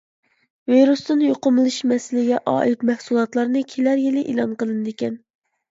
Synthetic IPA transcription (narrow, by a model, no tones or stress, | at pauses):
viɾust̪ɨnjoqʊmɨlˠɨʃmɛsɪlɪɡʲɛʔɑ̰ːʔit̪mɛhsulˠɑt̪lˠɑɾnɨkʲʰelæɾjɪlɪʔelˠɑnqəlˠɨnɨd̪ekʲɛn